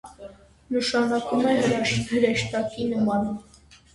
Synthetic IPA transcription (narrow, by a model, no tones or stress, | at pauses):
nəʃɑnɑkumɛəɾɑəɾɛʃt̪ɑkinəmɑnə